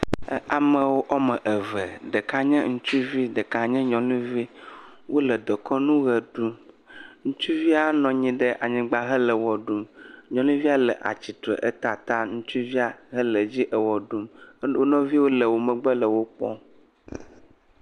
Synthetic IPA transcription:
a˨mə̃˨wo˦ʔɔ˦mə̃˨ʔə˨və˨ɖə˨ka˦ɲɛ̃˦ŋũ˦t͡ʃu˦vi˦ɖə˨ka˨ɲɛ̃˦ɲɔ̃˨lũ˦vi˦ | wʔo˦lə˨d̪ɔ˨kʰɔ˦nũ˦ɣə˨ɖu˦m | ŋũ˦t͡ʃu˦vi˦a˦nɔ̃˨ɲĩ˦ɖə˦ʔa˨ɲĩ˨ɡ͡ba˦ɦə˦lə˨wɔ˨ɖu˦mɲɔ̃˨lũ˦vi˦a˦lə˨ʔa̰˨t͡ɕi˨tɾə̰˨ʔə˦t̪a˨t̪a˦ŋũ˦t͡ʃu˦vi˦a˨ɦə˦lə˨d͡ʑi˦ʔə˨wɔ˨ɖu˦m˦wo˦nɔ̃˦vi˦wo˦lə˨wo˨mə̃˨ɡ͡bə˦lə˨wo˦k͡pɔ̰˦

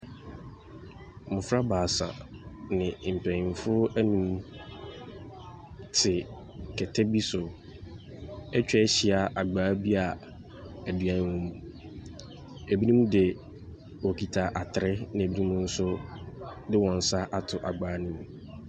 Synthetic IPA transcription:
mʊ̃˨fɾa˦baː˨sa̰˨nɪ̃˨m̩˨pʰæ˨ĩ˨n˨fʊ˦æ˦nũ˨m | tʰɪ˨ | kʰɛ˨tʰɛ˦bi˦sʊ˨ | ɛ˦t͡ɕᶣɛ˦ɛ˦ɕɪ˨a˨ʔa˨ɡ͡baː˨˦bi˦a˨ | æ˨du˨æ˨n˦˨wũ˦m | æ˨bi˦nũ˦m˦dɪ˨ | wo˨kʰi˨tʰa˨ʔa˨tʰɪ˨ɾɪ˦nɪ̃˨æ˨bi˦nũ˦mũ˦n̩˦sʊ˦ | dɪ˦wɔ̃˨n̩˨sa˦ʔa˨tʰʊ˨ʔa˨ɡ͡baː˨˦nʊ̃˦m˨

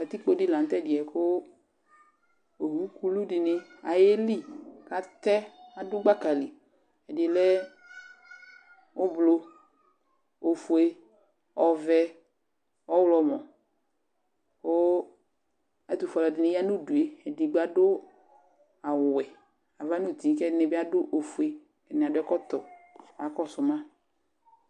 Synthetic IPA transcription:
a˨t̪i˦k͡po˦dɪ˦lã˨n˦t̪ɛ˦˨dɪ˨ɛ˨ko˦ | o˨ɦu˦ku˦lu˦dɪ˨nɪ˦a˨je˦li˦ka˨t̪ɛ˦a˨dʊ˦ɡ͡ba˦ka˨li˨ | ɛ˨dlɛ˦ | wo˦blo˦ | o˨fu˨e˦ | ɔ˨vɛ˦ | wɔ˦wlɔ˨mɔ̃˨ | wo˦ | a˨d̪u˨fɔ˨lɔ˨dɪ˨nɛ̃˨ja˦nũ˦du˨e˨ɛ˨di˨ɡ͡ba˨ɖʊ˦ | a˨wwɛ˨ | a˨va˦nũ˦di˨˦kɛ˦nɛ˨bɪ˦a˦ɖʊ˦ʔo˨fu˨e˨ | ɛ˨nɛ˨a˨dʊ˦ɛ˦kɔ˦t̪ɔ˨a˨kɔ˦sʊ˨mã˦

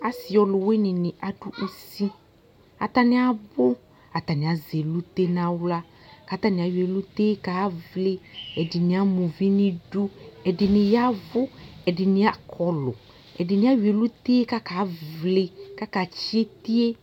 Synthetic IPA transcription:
a˨sɪ˨ɔ˨lʊ˨we˦nɪ˨nɪ˨ʔa˨du˦ʔu˦si˦ | a˨t̪a˦nɪ˦a˨bʊ˦ | a˨t̪a˨nɪ˨a˨ze˨lu˦t̪e˦nã˦wla˦ | ka˨˦t̪a˦nɪ̃˨a˨we˨lu˦t̪eː˦ka˨˦vlɪ˦ɛ˨dɪ˨nɪ̃˨a˦mũ˨vi˦nɪ̃˦du˦ɛ˨dɪ˨nɪ̃˨ja˦vʊ˦ɛ˨dɪ˨nɪ̃˨a˨kʰɔ˨lʊ̰˨ | ɛ̰˨dɪ˨nɪ̃˨˦a˦wi˨e˨lu˦t̪eː˦ka˦ka˨˦vlɪ˦ka˦ka˨t͡ʃi˦e˦t̪i˦e˦

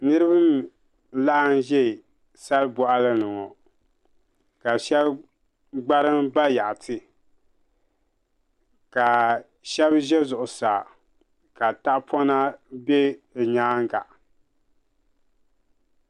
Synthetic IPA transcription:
nɨ˦ɾɨ˦bɨ˦m | la˦ʔa˦˨n˦ʒɛ˦˨ | sa˦lbɔ˦ʔa˦lɨ˦nɨ˨ŋɔ˨ | ka˨ʃɛ˦b | ɡ͡ba˦ɾɨ˦mba˦ja˨ʔtʰɨ˦ | ka˨ | ʃɛ˦bʒɛ˦zʊ˨ʔʊ˨sa˨ | ka˨ta˦ʔpʰɔ˦na˦be˦˨ɲaː˦ŋ˦ɡa̰˨ʔ

